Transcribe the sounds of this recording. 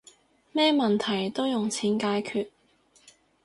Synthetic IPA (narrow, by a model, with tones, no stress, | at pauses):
mɛː˥mɐ˨nt̪ʰɐ˨˩jt̪o˥wjʊ˨˩ŋt͡sʰiː˨˥nkaː˧jkʰyː˨t̚